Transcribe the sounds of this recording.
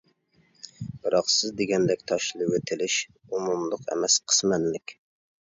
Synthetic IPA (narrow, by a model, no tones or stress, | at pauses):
b̥ɨɾɑqsɪzd̪eɡʲɛnd̪ɛkʲt̪ʰɑʃlˠɨwet̪ʰɪlɪʃ | umumlˠʊqɛ̰mɛsqʰə̥smɛnlɪkʲ